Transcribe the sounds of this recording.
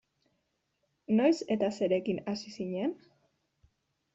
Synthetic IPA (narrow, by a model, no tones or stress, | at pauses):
no̞jse̞t̪ase̞ɾe̞kinasisiɲe̞n